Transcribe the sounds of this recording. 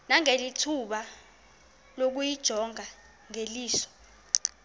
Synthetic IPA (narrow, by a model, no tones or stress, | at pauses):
naŋelitʰuɓa | lok̬ujid̥ʒ̥ʱɔŋʱa | ŋeliːsɔ̥